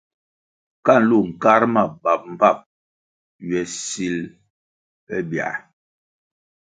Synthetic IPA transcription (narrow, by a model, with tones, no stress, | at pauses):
ka˦˨n̩˨lu˦˨ŋ̩˨ka˦ɾma˨ba˨p̚m̩˨pa˦˨p̚ | ɥɛ˨si˦l | pɛ˦bja̰˨ʔ